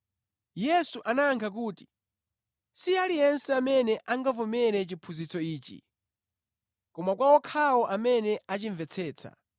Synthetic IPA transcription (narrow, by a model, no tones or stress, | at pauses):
jɛsuʔanaːŋkʰak̬uːti̥ | sialijɛnsɛamɛnɛʔaŋɡavɔmɛɾɛt͡ʃipʰuzit͡sɔiːt͡ʃḭ | kɔmakwawɔkʰawɔʔamɛnɛʔat͡ʃiɱvɛt͡sʰɛːt͡sʰa̰